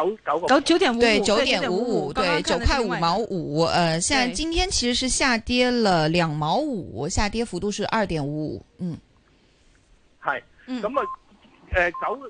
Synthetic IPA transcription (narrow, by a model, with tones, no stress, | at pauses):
kɐ˧˥ʊkt͡ɕjo˧˥ʊt̪jɛ˨˩n˧we˥˩ɪt͡ɕjo˧˥ʊjɛ˨˩n˨u˧˥u˨˩˦t̪we˥˩ɪt͡ɕjo˨˩ʊpʰa˥˩u˨˩mɑ˧˥ʊʔu˨˩˦ə˧ɕjɑ˥˧ŋt͡ɕi˥nt̪ʰjɛ˥nt͡ɕʰi˧˥ʂɻ̩˧˥ʂɻ̩˥˧ɕja˥˩t̪jɛ˥lə˨˩ljɑ˨˩ŋmɑ˧˥ʊu˨˩ɕja˥˩t̪jɛ˥fu˧˥t̪u˥˧ʂɻ̩˥˧ʔɐ˞˥˩t̪jɛ˨˩nuu˧˥ṵ˨˩˦n̩˥˩ | ha˥˩ɪ | n˥˩kɐ˧˥mɐ˨ | ɛ˨kɐ˧˥w